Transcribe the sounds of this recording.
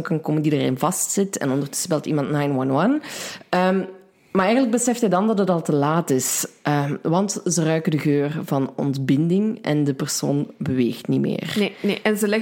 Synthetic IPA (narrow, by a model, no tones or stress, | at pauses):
nkɑnkoməndidarɪ̰nvɑstsɪtɛ̰nɔndərtɵ̥səbɛlˠtimɑntnajnwɑnwɑnəm | maːrɛjɣənləɡ̚bəsɛftɦɛjdɑndɑtɦətɑlˠtəlaːtɪsʔəʋɑntzərœɥkədəɣøːrvɑnɔ̰ntbɪndɪŋɛ̰ndəpərso̰ːnbəʋeːxtnimḛːreneʔɛnzəlɛ